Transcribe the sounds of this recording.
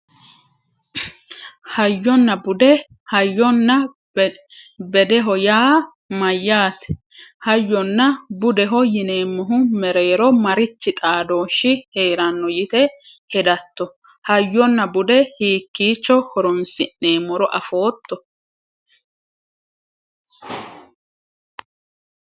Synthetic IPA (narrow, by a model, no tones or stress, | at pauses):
hɐjːɔnːɐbʊd̪ɛ | hɐjːɔnːɐ | bɛd̪ɛɦɔjaː | mɐjːaːt̪ɛ̥ | hɐjːɔnːɐbʊd̪ɛɦɔjɪneːmːɔɦʊmɛɾeːɾɔmɐɾɪt͡ʃːɪt̪ʼaːd̪o̞ːʃːɪhe̞ːɾɐnːɔjɪt̪ɛhɛd̪ɐt̪ːɔ | hɐjːɔnːɐbʊd̪ɛhiːkːiːt͡ʃːɔhɔɾɔnsɪnːeːmːɔɾɔʔɐfo̞ːt̪ːɔ